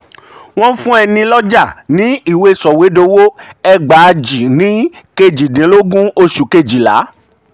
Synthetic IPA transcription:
w̃ɔ̃˦fũ˦ɛ˧nĩ˧lɔ˦d͡ʒa˦˨nĩ˨˦i˦˨we˧˦sɔ˨we˨˦do˧wo˦ɛ˧ɡ͡ba˨˧d͡ʒi˨nĩ˨˦ke˧d͡ʒi˨dĩ˨˦lo˦ɡũ˦o˧ʃu˨ke˧d͡ʒi˨la̰˨˦

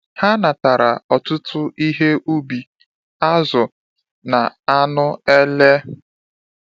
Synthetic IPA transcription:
ha˦na˨ta˨ɾa˨ɔ˨tʊ˦tʊ˦ʔi˦ɦe˦ʔu˦bi˨ | a˦zʊ˨ | na˨a˦nʊ˦e˦le˦

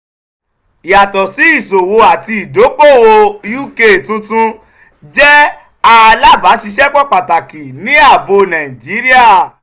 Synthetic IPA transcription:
i˨ja˨tɔ˨si˨˦i˦˨so˨wo˧a˨ti˧i˨do˨˦k͡po˦˨wo˧ju˦˨ke˦˨tũ˧˦tũ˧ | d͡ʒɛ˦ | a˧a˧la˦ba˨˦ʃi˧ʃɛ˦k͡pɔ˦k͡pa˨ta˨ki˨nĩ˨˦a˦˨bo˧nã˨ĩ˨d͡ʒi˨˦ɾi˦a˦˨

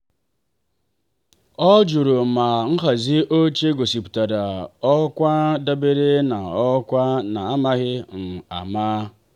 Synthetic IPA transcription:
ɔ˦d͡ʒu˨ɾo˨ma˨ŋ̩˦ɦa˨zi˦ʔo˦t͡ʃe˦ɡo˨si˨pu̥˨ta˨da˨ɔ˦kʷa˦da˦be˦ɾe˦na˨ɔ˦kʷa˦na˨a˦ma˦ɣɪ˦n̩˨a̰˨maː˦

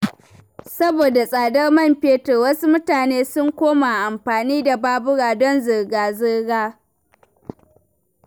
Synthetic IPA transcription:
sɐ˦boː˨da˨sʼaː˨dɐ˦rmɐ˦˨mɸeː˦tɐ˨wɐ˦su˦mʊ˦taː˨neː˦sʊ˦ŋkʷoː˦ma˨ʔa˨mɸaː˨niː˦da˨baː˦bʊ˦ɽaː˨dɔ˦nzɪ˨rɡaː˨zɪ˦ɡaː˦

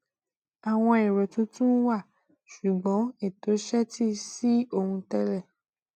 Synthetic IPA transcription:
a˨w̃ɔ̃˧e˨ɾɛ˨to˦tũ˦wa˦˨ | ʃu˨ɡ͡bɔ̃˨˦e˦˨to˨˦ʃɛ˦ti˦si˦o˧hũ˧tɛ˦ɾɛ˦˨

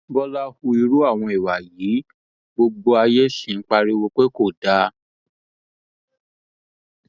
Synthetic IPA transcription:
bɔ˧la˦hu˧i˧ɾu˦a˦˨w̃ɔ̃˧i˨wa˨jiː˨˦ | bo˧ɡ͡bo˧a˧je˦ʃĩ˨n̩˦k͡pa˧ɾi˦wo˧k͡pe˦ko˦˨da˦

